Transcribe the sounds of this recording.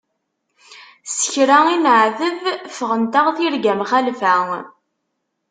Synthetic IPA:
sə̥çɾæinʕðəvfəʁənt̪aʁθiɾɡæmχælfæŋ

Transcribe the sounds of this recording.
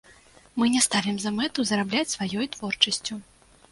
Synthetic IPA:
mɨnʲɛst̪avʲɛmzɐmɛt̪uzɐɾablʲat͡sʲsvajɔjt̪vɔrt͡ʂɐsʲt͡sʲu

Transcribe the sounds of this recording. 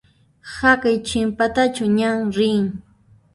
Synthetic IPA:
hakajt͡ʃɪmpat̪at͡ʃʊɲaŋɾɪŋ

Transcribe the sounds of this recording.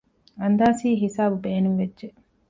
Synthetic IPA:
ɐnd̪aːsiːɦisaːbubeːnuŋʋedʒe

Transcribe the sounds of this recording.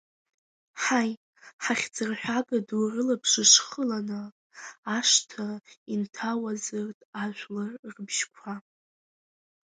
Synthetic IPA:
ħaj | ħaχʲd͡zɨrħʷᶣaɡaduwrɨlapʰʂɨʂχəlanɨː | ʂtʰaintʰawazɨrtʼaʒʷlɨrrbʒkʷʰa

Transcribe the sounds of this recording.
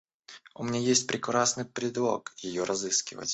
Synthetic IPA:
ʊmʲɪnʲajesʲtʲpɾʲɪkɾasnɨjpɾʲɪd̪lˠo̞̰kjɪjoɾʔɐzɨskʲɪvə̰tʲ

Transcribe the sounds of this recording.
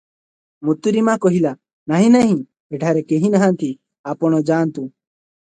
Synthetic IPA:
mut̪ːuɾimãkoɦila | naɦĩnaɦĩ | eʈʰaːɾekeɦĩnəɦãnt̪i | aːpɔñɔd͡ʒaːnt̪ũː

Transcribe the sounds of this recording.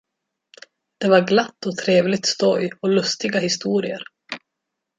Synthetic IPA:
d̪̥ɛvaɾɡlat̪ːɔt̪ʰɾeːvlɪɡ̚t̪st̪ɔjɔlɵst̪ɪɡahɪst̪uːɾɪəɾ

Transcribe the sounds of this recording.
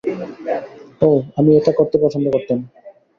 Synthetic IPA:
oamieʈakoɾt̪epɔt͡ɕʰond̪okoɾt̪em

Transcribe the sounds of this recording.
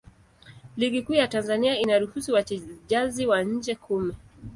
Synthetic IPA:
liɠikuːjatanzaniainaɾuhusiwat͡ʃɛʄaziwaɲ̩d͡ʒɛkʰumɛ

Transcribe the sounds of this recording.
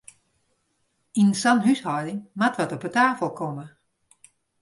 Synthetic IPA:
innsanhyshɔwdɪŋmatʋɔtɔpətaːfəlˠkʰomə

